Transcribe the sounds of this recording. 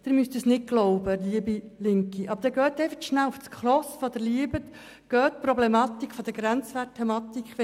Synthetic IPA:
d̪ɪɾmyst̪əsnɪt̚ɡ̥lɔʊbəliəbilɪŋkiʔɑb̥əɾd̥ɛɡœːt̪ɛɪfətʃnælʊfskχlɔsfɔd̪əɾliəbət̪ | ɡ̥œːt̪pɾɔblɛmɑt̪ikʰfɔd̥̪əɡɾænt͡sʋæt̚tʰːɛmɑt̪ikχʋɛ

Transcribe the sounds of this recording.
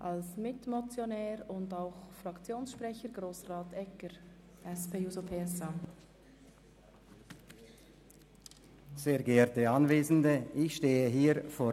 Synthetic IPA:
ʔɑlsmɪtmot͡sjonɛːɾʊndaʊxfrɑkt͡sjoːnsʃpɾɛçəɾɡʁoːsraːtɛkəɾ | ʔɛspʰeːjuːzopʰeːɛsa | z̥eːɐɡɛɛtəɑnveːzn̩dəʔɪçʃteːəɦiːɾfoː

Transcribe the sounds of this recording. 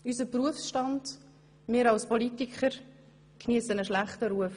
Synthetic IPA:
ysəpruəfsʃtɑnd̥ | mɪːɾɑlspɔlitikʰχəɾ | kniəsənəʃlæχtəɾuəf

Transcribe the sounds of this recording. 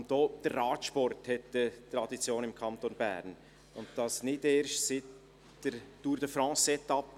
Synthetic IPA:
ntd̥oːd̥ərːɑːtʃpɔrthɛtd̥ətːɾɑdit͡sjoːnɪmkʰɑnt̪onbæ̰ːɾn | ʊnt̚d̥ɑsnɪdeːɾʃtsɪt | d̥əɾd̥uːɾdəfɾɑ̃ːsɛt̪ɑp

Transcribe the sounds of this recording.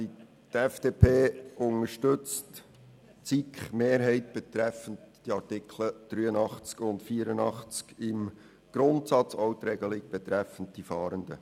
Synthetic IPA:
i | tɛfd̥eːpʰeːʊnəʃtʏt͡st | t͡sikχmeːɾɦɛɪtb̥ɛt̪ɾɛfəntd̥iɑɾtɪkʰləd̪̥ɾyːənɑχt͡skʊntfiːɾənɑχt͡skɪm | ɡ̥ɾʊnt̪sɑt͡soʊt̪ɾɛɡ̥əlik̚b̥ɛt̪ɾɛfən̩t̚d̥ifɑːɾəndə̰

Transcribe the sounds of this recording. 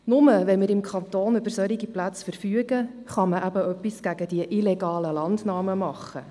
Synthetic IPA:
nʊməʋɛmɪɾɪmkʰχɑnt̪oːnʏb̥əɾsœɾiɡiplæt͡sfəɾfyəɡ̥ə | χɑməʔæbəœpːisɡ̥æɡəd̥iəʔilɛɡɑːləlɑndnɑːməmɑχːə

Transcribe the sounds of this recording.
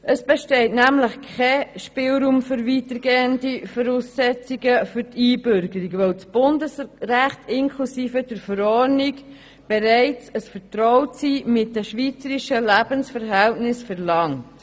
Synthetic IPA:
əsb̥ɛʃtɛɪtnæmləχkʰɛʃpɪlɾuːmfʏɾvitəɾɡeːəndifɔɾuːsːɛt͡siɡəfʏɾtʰiːbʏɾɡəɾikʋowt͡sb̥ʊndəsræχtɪnkʰlusiːfəd̥əɾfəɾɔɾnik | b̥ɛɾɛɪt͡səsfəɾtɾɔʊsiːmɪt̚dəʃʋiːt͡səɾiʃəlæb̥ənsfəɾɦɛltnɪsfɛɾlɑŋt

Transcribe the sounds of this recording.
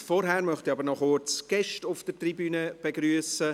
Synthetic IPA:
fɔɾɦæːɾmœχtiɑbəɾnɔχot͡sɡ̥ɛʃtʊfd̥ətribyːnəb̥eɡɾyːəsə

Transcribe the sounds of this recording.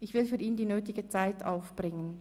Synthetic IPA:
ʔɪçv̥ɪlfyːɐiːndiːnøːtɪɡət͡saɪtʰʔa̰ʊfb̥ʁɪŋən

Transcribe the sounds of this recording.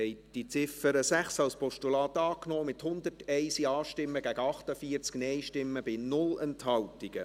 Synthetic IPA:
ɛɪtd̥it͡sɪfəɾəsæχsɑlspɔʃtulɑːtɑːknoːmɪt̪hʊnd̪ətɛɪsiɑːʃtɪmːəɡæɡəɑχtəfiət͡sknɛjʃtɪmːəbɪnʊlɛnthɑltɪɡ̥ə

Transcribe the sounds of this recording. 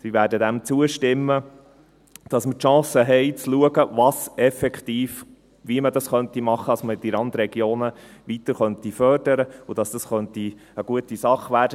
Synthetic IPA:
siʋæːɾdədæmt͡suəʃtɪmːə | d̥ɑsmətʃɑ̃ːsəɦɛɪt͡sluəɡəʋɑːsɛfɛkχt̪iːf | ʋiəmədɑsχœnt̪imɑχːədɑsməd̥iɾɑnd̪ɾɛɡjoːnəʋit̪əɾχœnt̪ifœɾd̥əɾəʊd̥ɑsd̥̪ɑsχœnt̪iəɡ̥uət̪isɑχʋæːɾdə

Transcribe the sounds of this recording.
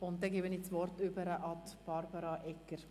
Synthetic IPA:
ʊnt̪̚dɛɡeːbənit͡sʋɔɾtʏbəɾəʔɑt̪b̥ɑɾbɑɾɑʔɛkːəɾ

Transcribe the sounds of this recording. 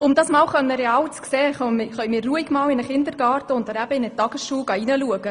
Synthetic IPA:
ʊmdɑːsmɑːwχœnːəɾeɑːwt͡skseːχœmχœʏmɪːɾːuəiɡmɑːwɪnəχɪnd̪əɾɡɑːrtəʊnt̪ənæb̥əɪnətɑɡ̥əsʃuːɡ̥ɑinəluəɡ̥ə

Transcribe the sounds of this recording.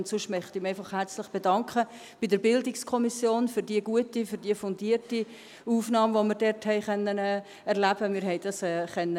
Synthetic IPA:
ntsʊʃmœχt̪ɪmɛɪfɑχhæɾt͡slɪχb̥edɑŋkχə | b̥ɪdəɾbɪldɪkskʰɔmisjoːnfyɾdiəɡuətifyɾd̥iəfɔndiːəɾti | uːfnɑːmvoməɾdɛɾthɛɪχœnːənɛː | ɛɾlæb̥əmɪːɾɦɛɪd̥ɑsɛːχœnːə

